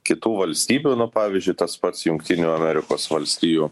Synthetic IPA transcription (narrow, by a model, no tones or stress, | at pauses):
kʲɪt̪uːʋɐlʲsʲt̪ʲiːbʲuːnʊpɑːʋʲiːzʲd͡ʒʲʊɪt̪ɐspɐt̪sjʊŋkt̪ʲɪnʲuːɐmʲɛɾʲɪkoːsʋɐlʲsʲt̪ʲiːjuː